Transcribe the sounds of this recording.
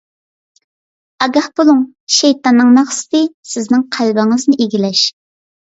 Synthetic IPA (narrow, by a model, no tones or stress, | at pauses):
ɑɡɑhbolˠuŋ | ʃejt̪ɑnːɨŋmɑχsɪ̥t̪ɨsɪznɪŋqʰælbɪŋəznɪʔeɡʲilɛʃ